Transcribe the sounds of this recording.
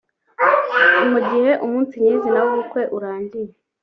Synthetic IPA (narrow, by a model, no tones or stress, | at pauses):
umuɟihe̞ʔumuːnsiɲɲiːzinawuːkwe̞ʔuɾaːɲɟije